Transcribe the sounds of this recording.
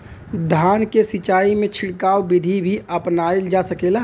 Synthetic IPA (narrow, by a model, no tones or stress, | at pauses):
d̪ʱaːnkesɪt͡ʃaːimẽt͡ʃʰɪɽkaːobɪd̪ʱibʱiʔəpnaːeld͡ʒasəkela